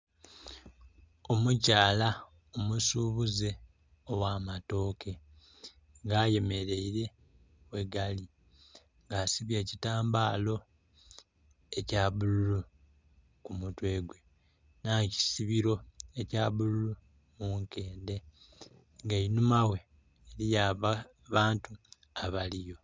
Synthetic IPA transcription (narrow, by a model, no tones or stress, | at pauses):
o̞mucaːla | omusuːβuze | owaːmato̞ːkʰe̞ | ŋɡaːje̞me̞ɾe̞iɾe̞ | weɡali | ŋɡasiβjecitaːmbaːlo̞ | e̞caːβululu | kumutwe̞ːɡwe̞ | naci̥siβiɾo̞ecaːβululu | muŋke̞ːnde̞ | ŋɡainumawe̞ː | lijaβa | βaːntu | aβalijo̞